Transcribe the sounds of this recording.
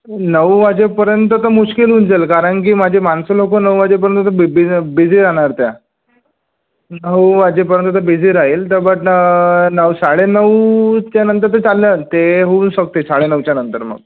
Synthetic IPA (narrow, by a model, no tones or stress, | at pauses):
nəʋʋad͡ʑepəɾjənt̪ət̪əmuɕkilɦuːnd͡zelkaɾəɳk̬iːmad͡ʑʱemansolokonəwʋad͡ʑep̬əɾjənt̪ːət̪obbid͡ziːɾaɽ̃aɾt̪ja | nəwʋad͡ʑep̬əɾjənt̪ət̪əbid͡ziɾaɦelt̪əɾbəʈ | nəʋsaɽenəwt͡ɕjanənt̪̬əɾt̪ət͡salːət̪eɦouːnsək̚t̪esaɽenəʋt͡ɕjanənt̪əɾmə̰ɡ̚